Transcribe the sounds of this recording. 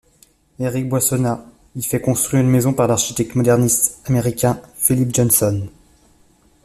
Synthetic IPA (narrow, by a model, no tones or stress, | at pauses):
eʁik̚bwasɔna | ifɛkɔ̃st̪χɥiʁynmezɔ̃paʁlaʁʃit̪ɛk̚t̪mɔd̪ɛʁnist̪ameʁikʲɛ̃filipʒɔnsɔn